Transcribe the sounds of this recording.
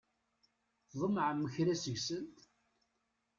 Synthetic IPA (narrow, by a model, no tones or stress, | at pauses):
ðˤəmʕəmːəçɾæsəʝsənt̪